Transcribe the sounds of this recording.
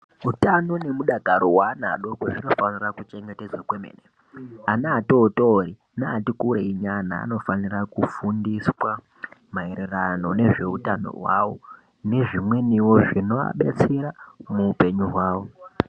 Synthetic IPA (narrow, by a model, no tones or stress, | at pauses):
utano̞ne̞muɗaɡʱaɾowana̰ɗo̞kwoʐino̞fanirakut͡ʃe̞ŋɡe̞ted͡zwakwemḛːne | anaːtoːtoːri | naːtikuɾeiɲana̰ːno̞fanirakufundiswa | maererano̞ne̞ʐe̞utano̰ɦwa̰wo̞ | ne̞ʐimwe̞niwo̞ʐino̞a̰ɓe̞̰t͡seɾamuːpe̞ɲuɦwaːwo